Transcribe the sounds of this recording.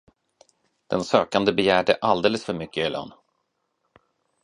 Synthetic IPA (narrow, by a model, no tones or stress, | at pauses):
d̪̥ɛnsøːkand̪əbɛjæːɖəʔald̪eːləsfœɾmʏkːəlɔ̰n